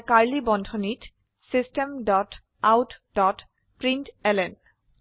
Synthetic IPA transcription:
kaɹlibɔndʱonit | sistemdɔt | awtdɔt | pɹintɛlɛn

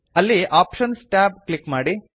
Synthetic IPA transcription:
ɐlːiʔaːpʃɐnsʈaːb̚klikːmaːɽi

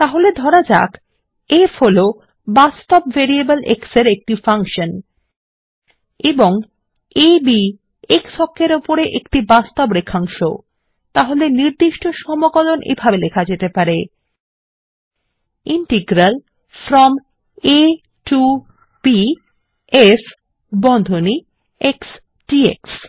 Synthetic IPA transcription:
t̪aɦoled̪ʱɔɾad͡ʑa̰k | efʰolo | bast̪opveɾiebəlḛkseɾek̚ʈifaŋkʃon | eboŋ | ebi | eksɔkʰːeɾopoɾeʔekʈibast̪obɾekʰːaŋʃo̰ | t̪aɦoleniɾd̪iʃʈoʃɔmoɡɔlonʔḛjbʱabelekʰad͡ʑet̪epaɾe | iɳʈeɡɾal | fɾɔm | e | ʈu | b̥i | es | bɔnd̪ʱoni | eks | ʈiḛks

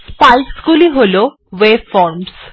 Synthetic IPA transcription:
spajsɡuliɦolo | webfɔɾms

